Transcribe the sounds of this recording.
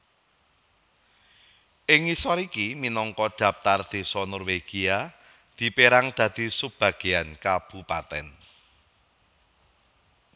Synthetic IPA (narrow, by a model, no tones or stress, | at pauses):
ʔɪŋisɔɾikiminɔŋkɔ̥d̪̥a̤p̚t̪ard̪̥i̤sɔnɔrweɡ̥ia | d̪̥i̤peɾaŋd̪̥ä̤d̪̥i̤səb̥ä̤ɡ̥e̤ankab̥ṳpat̪ɛ̰n